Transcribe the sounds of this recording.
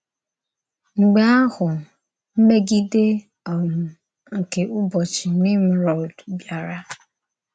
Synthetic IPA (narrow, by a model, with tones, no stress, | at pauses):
ŋ͡m̩˨ɡ͡ba˨˦a˦hʊ˨ | m̩˦me˦ɡi˦de˦ | ɔ˨jʊ˨ | ŋ̩˨ke˨ʔʊ˦bɔ˨t͡ʃɪ˨ni˦m̩˦ɾɔ˨ldbja˨ɾa˦